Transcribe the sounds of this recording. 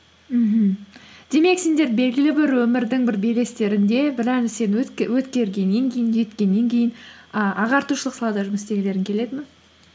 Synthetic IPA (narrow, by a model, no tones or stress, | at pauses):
m̩ɦm̩d̪̥e̞me̞ksend̪e̞ɾbe̞lɡʲɪlɪbɪɾwɵmɪɾd̪ɪŋbɪɾbejle̞st̪e̞ɾɪnd̪e̞bɪɾænɪse̞nwɵt̪kʲe̞ɾɡʲe̞nːe̞ŋkʲʰejɪnʒe̞t̪kʲe̞nːe̞ŋkʲʰe̞jɪnəʔɑʁɑɾt̪uʃəlˠəqsɑlˠɑd̪ɑʒʊməst̪e̞ɡʲele̞ɾɪŋkʲʰe̞le̞d̪ɪmɪn